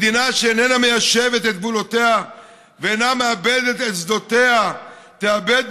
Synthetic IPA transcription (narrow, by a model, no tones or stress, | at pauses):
d̪inaʃeenenamejaʃevet̪et̪̚bulo̞t̪ea | veːnameabed̪et̪et̪sd̪o̞t̪e̞a | t̪eabed̪̚